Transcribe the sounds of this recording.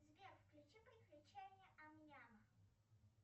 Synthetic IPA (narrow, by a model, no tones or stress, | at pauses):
zʲbʲerfklʲʉt͡ɕipɾʲɪklʲʉt͡ɕænʲɪjəʔɐmnʲanə